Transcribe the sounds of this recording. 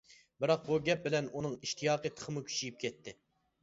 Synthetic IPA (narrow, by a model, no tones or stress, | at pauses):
bɪɾɑq̚buɡʲɛp̚bɪlɛnunɨŋiʃt̪ʰijɑːqət̪ʰə̥χʰəmukʲʰy̥t͡ʃijip̚kʲʰɛt̪ʰːɪ